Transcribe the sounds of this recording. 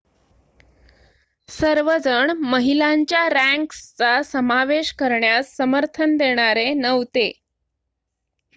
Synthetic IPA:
səɾʋəd͡zəɳməɦilaɲt͡ɕjaɾæ̃ŋkst͡sasəmaʋeɕkəɾɳjasːəməɾt̪ʰənd̪eɽ̃aɾenəʋt̪e

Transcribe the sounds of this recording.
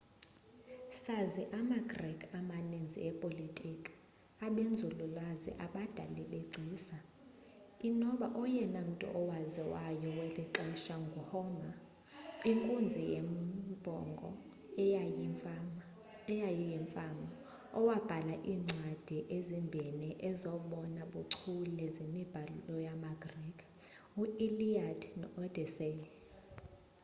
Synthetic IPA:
saziʔamaɡrɛkʰʼamanend͡zʱḭɛpʼolitʼikʼ | aɓend͡zʱululwazḭʔaɓad̥ʱa̰liɓeǀʱiːsa | inɔɓaʔɔjɛnam̩tʼṵʔɔwaziwajɔweliǀɛʃaŋɡʱuhɔma | iŋkʼund͡zʱijḛmb̥ʱɔ̰ŋɡʱɔ̰ | ɛjajijɛɱfama | ɔwab̥ʱalaʔiːŋ͡ǀʱad̥ʱiʔezimbʱɛnɛʔɛzɔɓɔnaɓuǀʰulɛzinib̥ʱalulɔjamaɡrikʰ | uiliadnɔd̥ʱɛse

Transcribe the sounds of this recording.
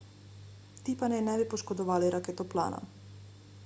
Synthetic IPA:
t̪ipanɛnɛbipɔʃkɔd̪ɔvaliɾʔakɛt̪ɔplˠa̰na̰

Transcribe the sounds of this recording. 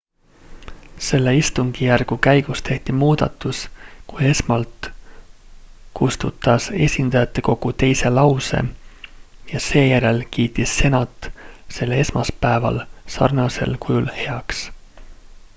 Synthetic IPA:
se̞lːe̞ist̪uŋɡ̥ijærɡ̥ukæjɡ̥ust̪ʰe̞ht̪imuːd̪̥ɑ̰t̪ːˑuskuje̞smɑlt̪ | kust̪ṵt̪ːˑɑse̞̰sʲind̪̥ɑjɑt̪ːe̞ko̞ɡ̥ut̪e̞jse̞lɑwse̞̰ | jɑse̞ːjæɾe̞lkiːt̪ːˑisːe̞nɑt̪ˑːse̞lːee̞smɑspæevɑ̰lsɑ̰rnɑse̞̰lkujulhe̞ɑks

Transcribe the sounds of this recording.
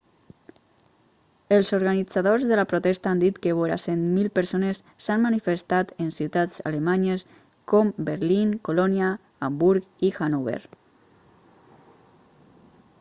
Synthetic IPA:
əlˠzoɾɣanid͡zaðozðələpɾut̪ɛst̪aand̪it̪kəβoɾa̰senmilˠpəɾsonəsːanmanifəst̪at̪ənsiwt̪ad͡za̰ləmaɲəs | kɔmbəɾliŋkolɔniaː | mbuɾkixanuβḛɾ

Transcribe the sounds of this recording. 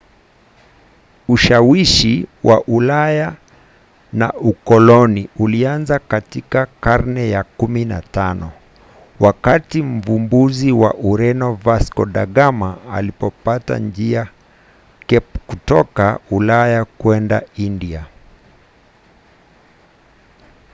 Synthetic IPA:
uʃawiʃiwʔa̰ʔulaja | na̰ukɔlɔniulianzakatikakaɾnɛjakumina̰tanɔ | wakatim̩vumbuziwa̰ʔuɾɛnɔvaskɔɗa̰ɠamaa̰lipɔpata̰nd͡ʒia | kutɔkaulajakwɛnda̰india

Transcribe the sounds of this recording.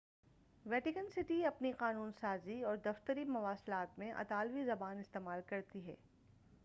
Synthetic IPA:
ʋɛːʈɪkənsɪʈiɐpniqaːnuːnsaːziɔːɾd̪ɐft̪əɾimɐʋaːslaːt̪mẽʔɐ̰t̪aːlʋizɐbaːnɪst̪eːmaːlkɐɾt̪iɦɛ̰ː

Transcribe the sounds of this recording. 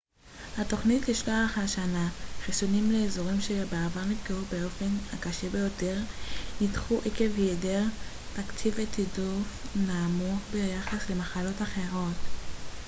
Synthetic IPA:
hato̞χnitliʃlaaχaʃanaχisunimleːzoʁimʃe̞beavaʁnifkeubeo̞fe̞nakaʃebe̞jote̞ʁnitχuʔikevjedeʁ | takt͡sivetʰidufnaːmuχbejaχasle̞maχalo̞taχe̞ʁo̞t

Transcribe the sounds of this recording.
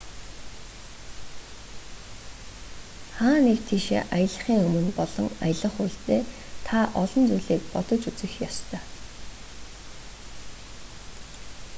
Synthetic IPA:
χaːnekt̪ʰiːʃḛːʔajə̆ɮə̆χiːŋɵmɵ̆npɔɮɞ̆ŋa̰jə̆ɮə̆χʊɬt̪eː | t̪ʰaʔɔɮɞ̆nt͡sujɮiːkpɔt̪ɞ̆t͡ɕut͡sɘ̆xjɔst̪ʰœː

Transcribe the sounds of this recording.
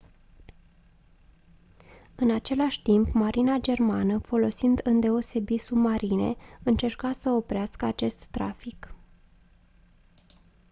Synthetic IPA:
ɨnat͡ʃe̞laʃʲt̪impmaɾʔinad͡ʒe̞rmanəfo̞lo̞sind̪ɨnd̪e̞o̞se̞bit̪submaɾine̞̰ɨnt͡ʃe̞rkasəo̞pɾeaskəat͡ʃe̞st̪ːɾa̰fik

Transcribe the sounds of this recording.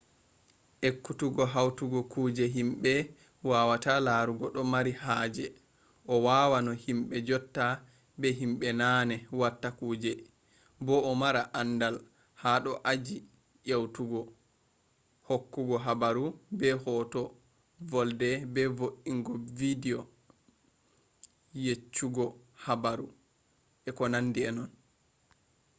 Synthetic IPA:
ʔekːutuɡɔɦawtuɡɔkuːd͡ʒɛɦimɓɛ | wawatalaɾuɡɔɗɔmaɾihaːd͡ʒɛ | ʔɔwawanɔhimɓɛd͡ʒɔtːa | bɛɦimɓɛnaːnɛwatːakuːd͡ʒɛ | bɔːmaɾaʔandal | haɗɔʔad͡ʒi | ʔewtuɡɔ | hokːuɡɔɦabaɾubɛhɔːtɔ | vɔldɛbɛvoʔiŋɡɔvidiɔ | jet͡ʃːuɡɔ | habaɾu | ɛkɔnanːdiɛnɔn

